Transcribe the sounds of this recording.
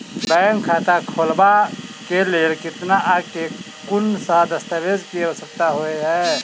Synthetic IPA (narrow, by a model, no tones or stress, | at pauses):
bɛːŋkʰːat̪akʰoːlbakeleekɪt̪naʔake | kʊnsad̪əst̪aʋed͡ʒkieɦosək̚t̪aɦoeɦɛː